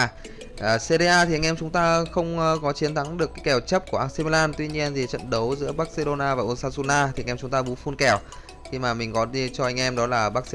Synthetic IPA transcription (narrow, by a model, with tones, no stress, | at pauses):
ʔːse˧ɾi˧ʔaː˧t̪ʰi˨˩ʔa˧ŋʔɛ˧mt͡ɕʊ˨˦ŋ͡mt̪aː˧xə˧wŋ͡mkɔ˨˦t͡ɕi˨˦nt̪ʰa˨˦ŋɗɨ˨˩əkːaː˨˦jkɛ˨˩wt͡ɕə˦˥p̚ku˧˩əʔaː˧se˧ma˧laː˧nt̪wi˧ɲi˧ənzi˨˩t͡ɕə̰˧˨nɗə˨˦wzɨ̰˧˥əɓaː˦˥k̚se˧ɗo˧naː˧vaː˨˩ʔo˧nsaː˧su˧naː˧t̪i˨˧ŋʔt͡ɕʊ˨˦ŋ͡mt̪aː˧ɓu˨˦fu˧nkɛ˨˩w | xi˧maː˨˩mï˨˩ŋ̟kɔ˨˦i˧t͡ɕɔ˧ʔa˧jŋ̟ʔɛ˧mɗɔ˨˦laː˨˩ɓaː˦˥k̚